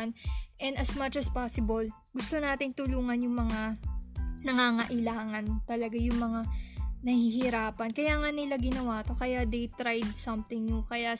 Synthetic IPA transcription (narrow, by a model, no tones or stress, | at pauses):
nʔɛnd̪ɐsmɐt͡ʃɐspasɪbɐl | ɡʊst̪o̞naːt̪ɪnt̪ʊluːŋɐnjʊŋmɐŋa | nɐŋaːŋɐʔɪlaːŋɐnt̪ɐlɐɡajʊŋmɐŋanɐhihɪɾaːpɐnkɐjaːŋɐnɪlaɡɪnɐwaːt̪o̞kɐjad̪ejt̪ɾajd̪̚sɐmt̪ɪŋjʊŋkɐja